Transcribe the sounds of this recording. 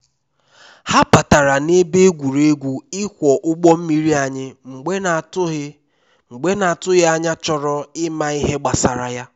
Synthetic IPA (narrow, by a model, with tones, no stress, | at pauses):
ha˦pa˨ta˨ɾa˨ne˦be˦e˦ɡʷu˨ɾe˦ɡʷu˦ɪ˦kʷɔ˨ʔʊ˦ɡ͡bɔ˦m̩˦mi˦ɾi˦a˨ɲɪ˦ŋ͡m̩˨ɡ͡bn˨t | ŋ͡m̩˨ɡ͡be˦na˨a˨tʊ˦ɣɪ˦a˦ɲa˦t͡ʃɔ˦ɾɔ˦ɪ˦ma˨i˦ɦe˦ɡ͡ba˨sa˨ɾa˨ja˦